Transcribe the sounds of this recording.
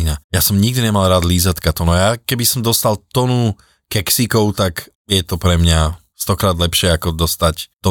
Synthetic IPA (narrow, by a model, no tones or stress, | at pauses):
inajasɔmɲiɡ̚d̪iɲɛmalˠɾaːd̪liːzat̪kat̪ɔnuajakɛbisɔmd̪ɔst̪alt̪ɔnu | kɛksikɔʊt̪ak | jɛt̪ɔpɾɛmɲa | st̪ɔkɾaːd̪lɛpʃɪɛakɔd̪ɔst̪act̪ɔ